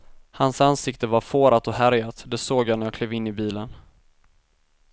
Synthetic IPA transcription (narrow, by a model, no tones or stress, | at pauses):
hansansɪkt̪əvaɾfoːɾat̪ɔɦæɾjat̪d̪ɛsoːɡjanæɾjaːkʰleːvɪnːɪbiːlən